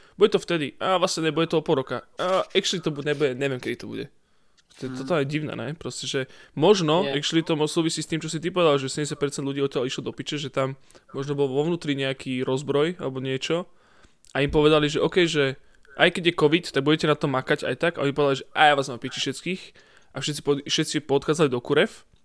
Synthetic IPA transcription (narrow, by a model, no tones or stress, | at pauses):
buɟɛt̪ɔft̪ɛd̪iʔaːʋlasɲɛɲɛbuɟɛt̪ɔɔpɔlˠɾɔkaaɛkʃlit̪ɔbuɲɛbuɟɛɲɛʋɪɛmkɛd̪it̪ɔbṵɟɛ̰ | t̪ɔɛt̪ɔt̪aɲɛɟiʊnɛ̰ːnɛ̰pɾɔscɛʒɛmɔʒnɔɛkʃlit̪ɔmɔsuːʋisiːst̪iːmt͡ʃɔsit̪̬ipɔʋɛd̪alʒɛsɛdɛmɲɛs̬jat̚pɛɾt͡sɛnd̪lʎuɟiːɔt̪ːɪaliʃlɔd̪ɔpit͡ʃɛʒɛt̪amː | ɔʒnɔbɔlʋɔʋnuːt̪ɾiɲɛakʰiːɾɔzbɾɔja̰lɛbɔɲɪɛt͡ʃɔ | ʔaimpɔʋɛd̪aliʒɛʔɔːkɛjʒɛ | ʔa̰jkɛɟjɛkɔʋit̪t̪aɡ̚buɟɛcɛnat̪ɔmːakaɟa̰jt̪aɡaʔɔɲipɔʋɛd̪aliʒɛʔa̰jaːʋaːzmampit͡ʃiʃɛt͡skiːx | ʔafʃɛt̪t͡si̥pɔfʃɛt̪t͡sipɔt̪xaːdd͡zalid̪ɔkuɾɛf